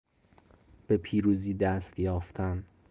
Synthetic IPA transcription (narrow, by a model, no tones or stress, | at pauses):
b̥e̞pʰiːɾuːziːd̪æst̪jɒːft̪ʰæn